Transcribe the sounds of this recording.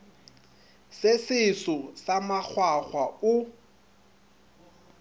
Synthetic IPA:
sɪsɪsɔsamak͡xʰwaχwaʊ

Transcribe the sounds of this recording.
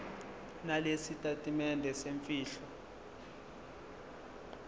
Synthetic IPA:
nalesitʼatʼimɛndʱɛseɱfiːɬɔ

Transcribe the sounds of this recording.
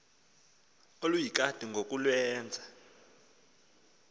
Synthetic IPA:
olujik̬ʼad̥ʱiŋɡʱok̬ʼulwɛːnd͡zʱa

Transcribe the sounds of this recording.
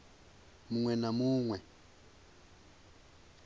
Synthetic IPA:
muŋwɛnamuːŋwɛ

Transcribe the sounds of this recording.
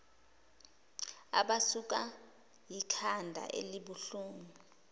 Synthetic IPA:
a̰ɓasuk̬ʼa | jikʰandʱa̰ʔḛliɓuɬuːŋu

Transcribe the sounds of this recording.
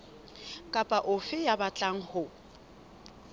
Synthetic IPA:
kʼapʼaʔʊfɪjabat͡ɬʼaŋ̩hʊ

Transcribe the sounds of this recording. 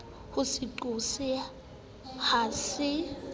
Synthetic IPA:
husiǃusi | haːsɪ

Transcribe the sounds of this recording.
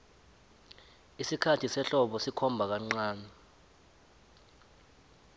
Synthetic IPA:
isikʰatʰisɛɬɔɓɔsikʰɔmbʱak̬aŋ͡ǀaːnɛ

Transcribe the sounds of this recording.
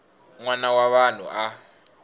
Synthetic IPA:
ŋwanawaɓan̤ṵʔa

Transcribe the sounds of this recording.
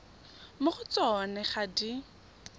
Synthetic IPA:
mʊχʊt͡sɔnɛχadi

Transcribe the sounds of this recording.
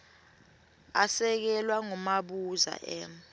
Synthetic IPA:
asɛk̬ɛlwaŋumaɓuza̰ʔɛːm

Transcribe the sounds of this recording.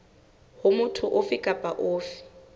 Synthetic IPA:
hʊmʊtʰʊʔʊfikʼapʼaʔoːfɪ̥

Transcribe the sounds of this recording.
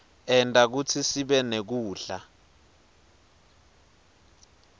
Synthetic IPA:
ɛntʼak̬ut͡sʰisiɓɛnek̬uːɬa

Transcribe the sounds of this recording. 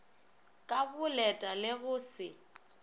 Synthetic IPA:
kʼabʊlɛtʼalɪɣʊːsɪ

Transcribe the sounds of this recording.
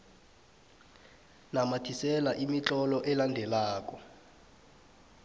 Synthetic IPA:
namatʰisɛlaʔimit͡ɬʼɔlɔʔɛlandʱɛlaːk̬ʼɔ

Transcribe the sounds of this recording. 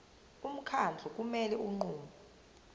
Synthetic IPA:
um̩kʰand͡ɮʱɔk̬ʼumɛlɛuŋ͡ǃuːma

